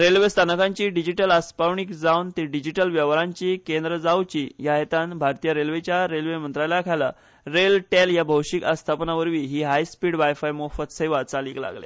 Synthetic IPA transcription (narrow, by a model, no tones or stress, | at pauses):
ɾelʋest̪ʰanəkãɲt͡ɕiːɖid͡ʑiʈəlaspawɳikd͡zawnt̪iɖid͡ʑiʈəlʋjəʋɾaɲt͡ɕiːkend̪ɾəd͡zawt͡ɕiːjaɦet̪ãnbʱaɾt̪ijəɾelʋet͡ɕjaɾelʋemənt̪ɾalakʰala | ɾelʈeljabʱəwʂikast̪ʰapnaʋəɾʋiːɦiːɦajspiːɽʋajfajmofət̪səjʋat͡saliːkla̰ɡlḛ